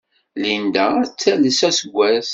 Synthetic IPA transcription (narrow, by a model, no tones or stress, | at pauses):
lind̪ææt͡sːæləsæsəɡʷːæθ